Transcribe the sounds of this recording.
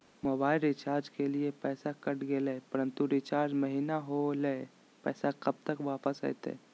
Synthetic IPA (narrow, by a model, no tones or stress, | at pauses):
moːbaːɪlɾɪt͡ʃaːɾd͡ʒkeliepɛːsakəʈɡeleːpəɾənt̪uɾɪt͡ʃaːɾd͡ʒməɦinaɦole | pɛ̰ːsakəb̚t̪əkʋaːpəsə̰jt̪ḛː